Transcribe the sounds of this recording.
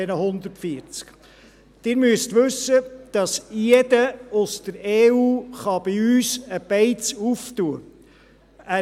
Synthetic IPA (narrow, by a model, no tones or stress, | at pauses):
ɛnəɦʊnd̪əɾtfiəɾt͡sk | d̥ɪːɾmyəstʋɵsːəd̥ɑsjɛd̥əʊsd̥əɾeːuːχɑb̥iyːsəb̥ɛɪt͡suftuə | æː